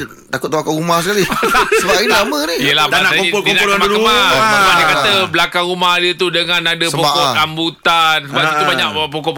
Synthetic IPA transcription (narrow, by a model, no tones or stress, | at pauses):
t̪akʊt̪̚ːaakaumahsəkaliasəbaiaməniijəlahbanasakiolkonaomakəmamadiəkat̪əblakaŋumahdət̪udəŋãnadəspɔkɔambut̪ansəbait̪ubaɲaʔpɔkɔʔp